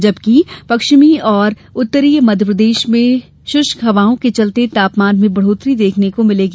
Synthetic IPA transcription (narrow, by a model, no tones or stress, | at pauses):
d͡ʒɐbkipɐkʃmiɔːɾ | ʊt̪ːəɾiːjmɐd̪ʱjəpɾəd̪eːʃmẽ | ʃʊʃkɐʋaːõket͡ʃɐlt̪et̪aːpmaːnmẽbɐɽ̤oːt̪ɾid̪eːkʰnekomɪleːɡ